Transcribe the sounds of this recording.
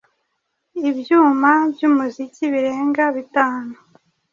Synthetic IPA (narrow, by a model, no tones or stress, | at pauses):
ibjuːmabjuːmuziciβiɾe̞ːŋɡaβitaːno